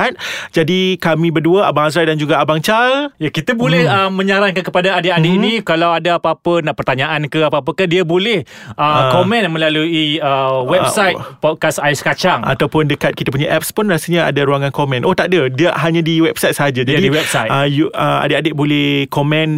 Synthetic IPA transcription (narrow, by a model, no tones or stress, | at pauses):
t̪̚d͡ʒadikamĩbərduəabaŋas̬adand͡ʒuɡaabaŋt͡ʃaljakit̪abolɛhəmə̃ɲaɾankankəpadaadeʔadeʔinikalawadaapapənaʔpərt̪aɲãʔankəapaapakahdiabolɛhʔəkomɛ̃nmə̃laluiəwɛbsajt̚pɔt̚kasajskat͡ʃaŋa̰t̪awpʊndəkat̪̚kit̪apuɲaʔɛp̚spʊnrasəɲaa̰daɾuaŋankomɛ̃nʔoht̪aʔdədiaɦaɲãdiwɛb̚sajt̪̚səɦad͡ʒad͡ʒaidiwɛpsajtəjuəa̰deʔadeʔ̚bolɛhkomɛ̃n